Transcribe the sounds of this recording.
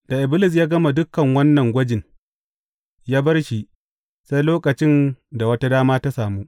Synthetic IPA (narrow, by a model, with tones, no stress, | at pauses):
d̥a˨ʔɪ˨bɪ˦lɪ˦˨s̬jaː˦ɡɐ˦ma˨dʊ˦kːɐ˨ŋwɐ˦nːɐ˨ŋɡʷɐ˦d͡ʒɪ˨n | jaː˦bɐ˦rʃi˦ʔ | sa˦jloː˦kʼɐ˨t͡ʃɪ˦nda˨wɐ˦ta˦daː˦maː˦ta˦saː˨muː˦